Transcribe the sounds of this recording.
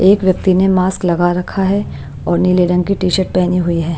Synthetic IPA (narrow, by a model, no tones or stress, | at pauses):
eːkʋjɐk̚t̪inemaːsklɐɡaɾɐkʰːaɦɛ | ɔːɾnileːɖə̃ŋɡkiʈiːʃəʈ̚pɛɦniɦʊiɦɛː